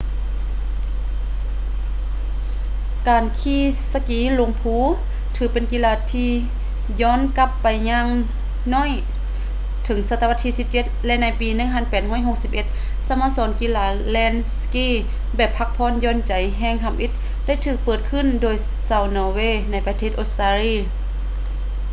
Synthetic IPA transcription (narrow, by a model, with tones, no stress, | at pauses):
kaː˨˩nkʰiː˧˩˨sa˧kiː˨˧˦lo˧˦ŋpʰuː˧˥ | t̪ʰɯː˨˩pe˨nki˧˥laː˧˩t̪ʰiː˧ | jɔː˧˥˨nka˧pːa˨˩jɲa˧˥ŋ | nɔː˧˥˨j | t̪ʰɤ˨˦ŋsa˧t̪a˧a˧˥t̪ʰːiː˧si˧˦p̚t͡ɕe˧˦t̪̚lɛ˧ʔna˧˥˩jpiː˨nɯ˧˥˨ŋpʰa˧˥˨npɛː˨˩t̪̚hɔː˧˥˨jɦo˧˩k̚si˧˦p̚ʔe˧˦t̪̚ | sa˧maː˧˨sɔː˨˦nki˧˨laː˧˩ | lɛː˧˥˨nskiː˧˥˨ | bɛː˨˩pʰːa˧˥k̚pʰɔː˧˥˨njɔː˧˥˨nt͡ɕa˨˦jɦɛː˧˨ŋt̪ʰa˧˨mʔi˧˦t̪̚ | da˥˨jt̪ʰɯː˧˩k̚pɤː˨˩t̪̚kʰɯ˧˥˨ndoː˨j | sa˧˩˨wnɔː˧weː˧˥˨na˧˥jpa˧t̪ʰeː˧˩ʔo˧˥st̪aː˧liː˧˩˨